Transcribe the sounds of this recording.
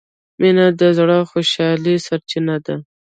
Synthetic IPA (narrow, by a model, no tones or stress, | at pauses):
minad̪əzɽɑxoʃɑlisaɾt͡ʃinad̪a